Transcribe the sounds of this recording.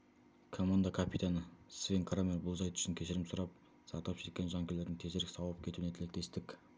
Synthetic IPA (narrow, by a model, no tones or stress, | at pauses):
kʰomand̪akʰapʰit̪anəsvʲeŋkʰɾameɾbʊlˠzɑjt̪ʏ̥ʃɪŋkʲʰe̞ʃɪɾɪmsʊɾɑp̚ | sɑɾt̪pʃet̪̚kʲenʒɑŋkʲele̞ɾd̪ɪŋt̪ʰe̞zeɾɪkʲsɑwˠəp̚kʲʰe̞t̪uwɪnet̪ʰɪlek̚t̪e̞st̪ɪkʲ